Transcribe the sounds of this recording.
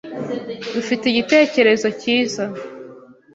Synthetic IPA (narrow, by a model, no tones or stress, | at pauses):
dufiteiɟite̞ːce̞ɾe̞zo̞ciːza